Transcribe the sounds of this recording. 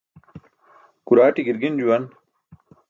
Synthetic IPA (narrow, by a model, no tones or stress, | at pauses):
kuɾaːʈiɡiɾɡind͡ʑuwɐn